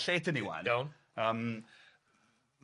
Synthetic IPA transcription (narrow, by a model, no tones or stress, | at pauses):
ɬeːdəniwa̰nawn | əːm